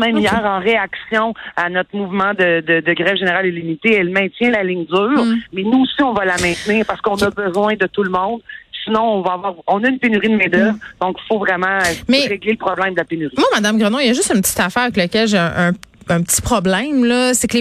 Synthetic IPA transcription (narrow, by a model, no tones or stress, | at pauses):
mɛ̃mijɛːʁɑ̃ʁeaksjɔ̃anɔt̪χmuvmɑ̃d̪əd̪əd̪əɡʁɛvʒeneʁalelimit̪eɛlmɛ̃t̪jɛ̃lalɪɲd̪yːʁmɛnuosiɔ̃valamɛ̃t̪niːʁpaʁsə̥kɔ̃nɔbəzwɛ̃d̪ət̪ulmɔ̃d̪sinɔ̃ɔ̃vaavwɑːʁɔ̃nʌynpenyʁid̪mɛd̪ɛvd̪ɔ̃kfovʁɛmɑ̃mɛʁeɡleləpχɔblɛ̃j̃md̪əlapenyʁimwamad̪amɡʁənojɐʒʏst̪ynpət͡s̪i̥t̪afæːʁavɛkləkʲɛlʒeʔə̃ɛ̃pət͡si̥pχɔblɛ̃mlʌsɛkl